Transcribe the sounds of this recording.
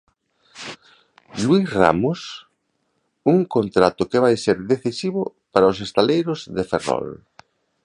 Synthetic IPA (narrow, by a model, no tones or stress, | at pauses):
lwisra̰mʊs | uŋkont̪ɾat̪ʊkeβ̞ajseɾðeθisiβʊ | paɾaʊs̬est̪alejɾʊzðeferɔ̰l